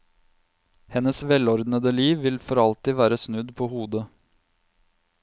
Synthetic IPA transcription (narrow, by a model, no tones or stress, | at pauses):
hɛnəsʋɛlɔɾd̪nəd̪əliːʋːɪlfɔɾɑlt̪iːʋæːɾəsnʉd̪pʰoːhuːd̪ə